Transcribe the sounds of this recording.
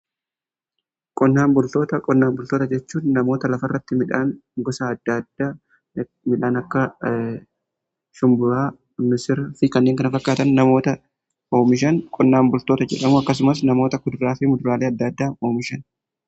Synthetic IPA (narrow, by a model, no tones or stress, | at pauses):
kʼɔnːaːmbʊlt̪o̞ːt̪ɐkʼɔnːaːmbʊlt̪o̞ːt̪ɐd͡ʒɛt͡ʃːuːnnɐmo̞ːt̪ɐlɐfɐrːɐt̪ːɪmɪᶑaːnɡɔsaɐd̪̥ːɐd̪̥a | mɪᶑaːnɐkːɐ | ʃʊmbʊɾaː | mɪsɪɾfɪkɐnːeːŋkɐnɐfɐkːaːt̪ɐnːɐmo̞ːt̪ɐ | oːmɪʃ̬ɐnkʼɔnːaːmbʊlt̪o̞ːt̪ɐd͡ʒɛ̰ᶑɐmuɐkːɐs̬ʊmɐs̬nɐmo̞ːt̪ɐkʊd̪ɾaːfɪmʊd̪ʊɾaːleːɐd̪ːɐd̪ːaːo̞ːmɪʃɐn